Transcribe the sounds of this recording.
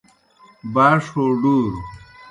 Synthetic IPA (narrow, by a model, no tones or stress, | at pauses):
baːʂoːɖuːɾ